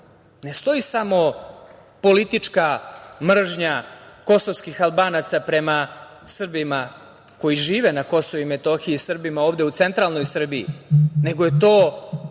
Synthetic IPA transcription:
ne̞st̪o̞jisamo̞ | po̞lit̪it͡ʂkamr̩ʒɲako̞so̞ʋskixalˠbaːnat̪sapɾe̞ma | sr̩bima | ko̞jiʒiːʋe̞nako̞so̞ʋuimet̪o̞xiiisr̩bimao̞ːʋd̪eut̪se̞nt̪ɾalˠno̞jsr̩biḭne̞ɡojet̪o̞ː

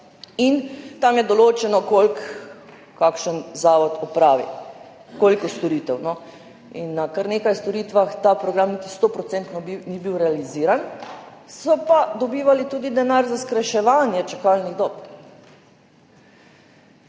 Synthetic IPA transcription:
int̪amjɛd̪ɔloːt͡ʃɛnɔkolk | kːakʃənzaːʋɔt̪ɔpɾaːʋḭ | koːlikɔst̪ɔɾiːt̪ɛwnɔ | ḭnːakaɾnekajst̪ɔɾit̪ʋaxt̪aːpɾɔɡɾamnit̪i̥st̪opɾɔt̪sɛnt̪nɔbiniːbiwɾɛaliziːɾan | sɔpad̪ɔbiːʋalit̪uːd̪id̪ɛnaɾzaskɾɛʃɛʋaːnjɛt͡ʃakalniɣd̪ɔːp

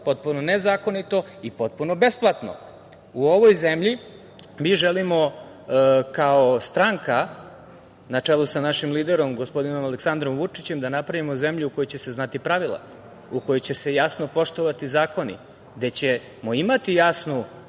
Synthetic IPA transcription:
po̞t̪̚punonezaːko̞nit̪o̞ipo̞t̪̚puno̞besplˠat̪no̰ | uo̞ʋojzemʎi | miʒelimo | kaost̪ɾaŋka | nat͡ʂelˠusanaʃimliːd̪eɾo̞mɡo̞spo̞d̪ino̞maleksand̪ɾo̞mʋut͡ʂit͡ɕe̞md̪anapɾaʋimoze̞mʎuuko̞jojt͡ɕe̞se̞znat̪ipɾaʋilˠa̰ | uko̞jojt͡ɕe̞se̞jasnopo̞ʂt̪oʋat̪izaːko̞nḭ | d̪et͡ɕe | moimat̪ijasnu

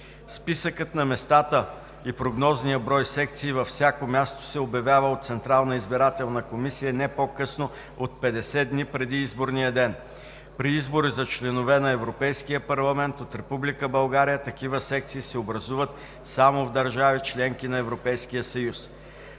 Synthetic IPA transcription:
spisəkət̪nɐmɛst̪at̪ə | ipɾoɡnɔznijəbɾɔjsɛk̚t̪siːvɐfsʲjakomʲjast̪o̥sɛobjɐvjavəot̪t̪sɛnt̪ɾalˠnəizbiɾat̪ɛlˠnɐkomisijənɛpokɤsno | ot̪̚pɛd̪ɛsɛd̪nipɾɛd̪iizboɾnijəd̪ɛn | pɾiizboɾizɐt͡ʃlɛnovɛnɐɛvɾopɛjskijəpɐɾlˠɐmɛnt̪ot̪ɾɛpublikəbɐlˠɡaɾijət̪ɐkivəsɛk̚t̪siːsɛobɾɐzuvət̪ | samovd̪ɐɾʒavit͡ʃlɛŋkinɐɛvɾopɛjskijəsɐjus

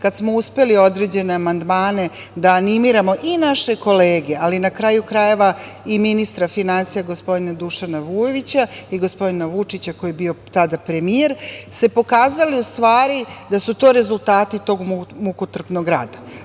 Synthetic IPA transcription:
kat̪smo̞uspe̞lio̞d̪ɾe̞d͡ʑe̞ne̞amand̪maːne̞ | d̪aːnimiɾamo̞ʔinaʃe̞ko̞leːɡe̞alinakɾajukɾaje̞ʋaiminist̪ɾafinansijaɡo̞spo̞d̪inad̪uʃanaʋujeʋit͡ɕaiɡo̞spo̞d̪inaʋut͡ʂit͡ɕakojebio̞t̪ad̪apɾe̞mieɾse̞po̞kaːzaliust̪ʋaːɾid̪asut̪o̞ːɾe̞zulˠt̪aːt̪it̪o̞ːɡmmukut̪r̩pnoɡɾa̰ːd̪a

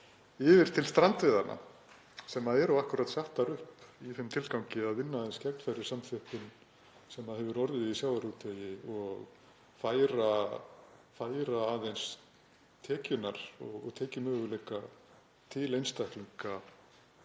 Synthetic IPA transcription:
ɪːvɪɾ̥t̪ʰɪlst̪ɾant̪vɪːðaɾna̰ | sɛmaðɛɾawahkʏɾat̪saht̪aɾʏhpiθɪmt̪ʰɪlkawŋcɪaðvɪnːaðejnscɛknfɛɾɪɾ̥samfʏhpɪn | sɛmːaðhɛvʏɾɔɾðɪðisjawvaɾuːt̪ʰɛjɪɔɣ | faːjɾa | faːjɾaːðejns | t̪ʰɛːcʏnaɾ̥ɔ̰ɣɔ̰ɣt̪ʰɛːcɪmœːɣʏlɛka | t̪ʰɪlejnst̪ahkliŋka

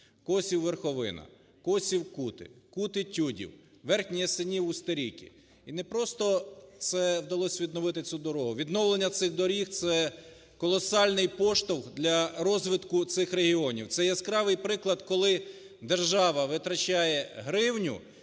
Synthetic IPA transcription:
kɔsʲiwʋerxɔʋɪ̰nɐ̰ | kɔsʲiwkut̪ɪ̰kut̪ɪtʲudʲḭw | ʋɛrxnʲijɛsɪnʲiwʊst̪eɾʲikʲḭ | inɛpɾɔst̪ɔt̪sɛwd̪ɐlˠɔsʲʋʲid̪nɔʋɪt̪ɪt͡sʲud̪ɔɾɔɦʊʋʲid̪nɔwlˠenʲːɐt̪sɪɣd̪ɔɾʲixt̪sɛ | kɔlˠɔsɑlʲnɪjpɔʃt̪ɔwxd̪lʲɐɾɔzʋɪt̪kʊt̪sɪxɾeɦʲiɔnʲḭwt̪sɛjɛskɾɑʋɪjpɾɪklˠɐd̪kɔlˠɪ | d̪erʒɑʋɐʋɪt̪ɾɐt͡ʃajɛɦɾɪwnʲʊ̰

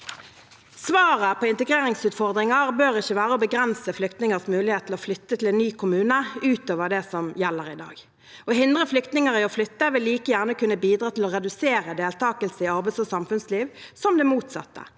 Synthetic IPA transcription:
sʋɑːʁəpʰɔːɪnt̪əɡʁeːʁɪŋsʉːt̪fɔʁd̪ʁɪŋɑʁbøːʁɪçːəʋæːʁəɔbəɡʁɛnsəflʏkt̪nɪŋəʁsmʉːlɪheːt̪ʰlɔflʏt̪ːət̪ʰɪlɛnnyːkʰʊmʉːnəʉːt̪oːʋəʁd̪ɛsɔmjɛlːəʁɪd̪ɑ̰ːɡ | ɔhɪnd̪ʁəflʏkt̪nɪŋəʁɪɔflʏt̪ːəʋɪlːiːkəjæʁnəkʉnəbiːd̪ʁɑːt̪ʰɪlɔʁɛd̪ʉseːʁəd̪eːlt̪ʰɑːkəlsəɪɑʁbæɪsɔsɑmfʉnsliːʋsɔmd̪ɛmuːt̪sɑ̰t̪ːə̰

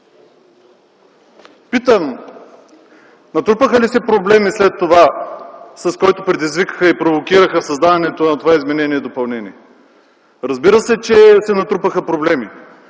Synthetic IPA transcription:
pit̪əm | nɐt̪ɾupəxəlisɛpɾoblɛmislɛt̪ːova | sɐskɔjt̪opɾɛd̪izvikə̥xəipɾovokiɾəxəsɐzd̪adɐnɛt̪onɐt̪ovaizmɛnɛniɛd̪opɐlˠnɛnʲiɛ | ɾɐzbiɾəsɛt͡ʃɛsɛnɐt̪ɾupəxəpɾoblɛmi

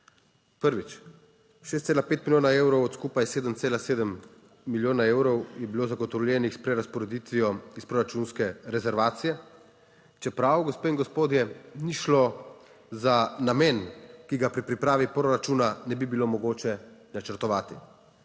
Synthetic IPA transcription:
pəɾʋit͡ʃ | ʃest̪seːlapeːt̪miljoːnaeːwɾɔwɔt̪skuːpajseːd̪əmt̪seːlaseːd̪əmː | iljoːnaeːwɾɔwjɛbiloːzaɡɔt̪ɔwljɛːnixspɾɛɾaspɔɾɛd̪it̪ʋijɔispɾoɾat͡ʃuːnskɛɾɛzɛɾʋaːt̪sijɛ | t͡ʃɛpɾawɡɔspeːiŋɡɔspoːd̪jɛniʃlo | zanamɛːnkiɡapɾipɾipɾaːʋipɾoɾat͡ʃuːnanɛbibilomɔɡoːt͡ʃɛnat͡ʃəɾt̪ɔʋaːt̪i

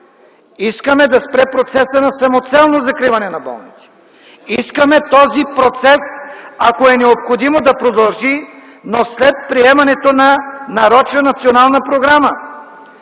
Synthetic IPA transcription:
iskəmɛd̪ɐspɾɛpɾot̪sɛsənɐsɐmot̪sɛlˠnozɐkɾivɐnɛnɐbɔ̰lˠnit̪si̥ | iskəmɛt̪ɔzipɾot̪sɛsakoɛnɛopxod̪imod̪ɐpɾod̪ɐlˠʒi | noslɛt̪̚pɾiɛmɐnɛt̪onɐnɐɾɔt͡ʃnənɐt̪sionalˠnɐpɾoɡɾamə

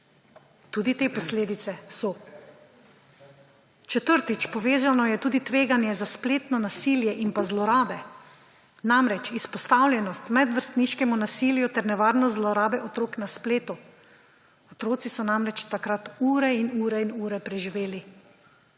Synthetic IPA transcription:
t̪uːd̪it̪eːpɔsleːd̪it̪sɛsɔ | t͡ʃɛt̪əɾt̪it͡ʃpɔʋeːzanɔjɛt̪uːd̪it̪ʋeːɡanjɛzaspleːt̪nɔnasiljɛʔinpazlɔɾaːbɛ | namɾɛt͡ʃispɔst̪awlʲjɛnɔst̪mɛd̪ʋəɾst̪niʃkɛmunasiːljut̪ɛɾnɛʋaːɾnɔzlɔɾaːbɛʔɔt̪ɾoːknaspleːt̪u | ɔt̪ɾoːt̪sisɔnamɾɛt͡ʃt̪akɾat̪uːɾɛinuːɾɛinuːɾɛpɾɛʒiʋeːli

